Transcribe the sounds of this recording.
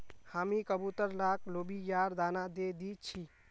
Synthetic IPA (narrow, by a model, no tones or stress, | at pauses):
hamikəbut̪əɾlaklobijaɾd̪anad̪ed̪it͡ʃʰi